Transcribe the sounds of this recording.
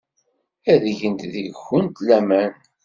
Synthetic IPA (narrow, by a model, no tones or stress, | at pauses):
æðʝənt̪ðəʝxənt̪læmæn